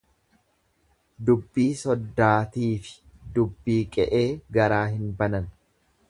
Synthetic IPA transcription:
d̪ʊbːiːsɔd̪ːaːt̪iːfɪ̥d̪ʊbːiːkʼɛʔe̞ːɡɐɾaːɦɪnbɐnɐn

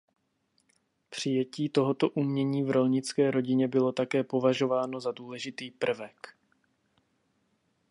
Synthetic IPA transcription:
pr̝̥ɪjɛciːt̪o̞ɦo̞t̪o̞ʔumɲɛɲiːvɾo̞lɲɪt͡skɛːɾo̞ɟɪɲɛbɪlo̞t̪akɛːpo̞vaʒo̞vaːno̞zaduːlɛʒɪt̪iːpr̩vɛk

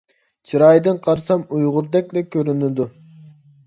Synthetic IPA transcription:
t͡ʃʰɨɾɑjd̪ɨnqʰɑɾsɑmujʁʊɾd̪ɛkʲlɛkʲʰːøɾynɪd̪ʊ

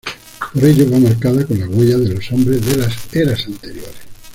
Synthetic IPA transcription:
poɾeʎoβamaɾkaðakonlaɣweʎaðelosombɾezðelaseɾasant̪eɾjoɾes

